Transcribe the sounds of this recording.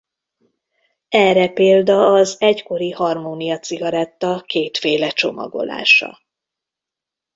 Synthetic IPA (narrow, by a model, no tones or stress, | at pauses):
ɛrɛpeːld̪ɒːzɛcko̞ɾihɒrmoːnijɒt̪siɡɒɾɛt̪ːɒkeːt̪feːlɛt͡ʃo̞mɒ̰ɡo̞̰la̰ːʃɒ̰